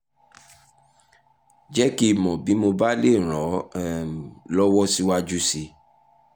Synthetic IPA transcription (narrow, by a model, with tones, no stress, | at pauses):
d͡ʒɛ˦ki˦˨mɔ̃˨bi˨˦mo˧ba˦le˦˨ɾ̃ɔ̃˨˦˨ | lɔ˦wɔ˦si˦wa˦d͡ʒu˦si˧